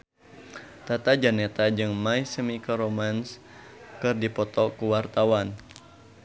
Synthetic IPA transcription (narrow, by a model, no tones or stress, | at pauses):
t̪at̪ad͡ʒanɛt̪ad͡ʒɨŋmaisəmikɔɾomans | kɨrdipɔt̪ɔkuwart̪awan